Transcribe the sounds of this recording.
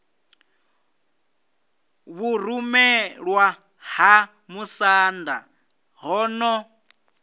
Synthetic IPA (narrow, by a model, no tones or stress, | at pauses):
βuɾumɛɺwa | ha | musanda̰ | ɦɔnɔ